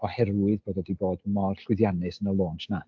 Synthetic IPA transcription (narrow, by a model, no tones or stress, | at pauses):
ɔhɛrwɨðboːdɔdiboːdmɔrɬwɪðjanɨsənəlˠoːntʰna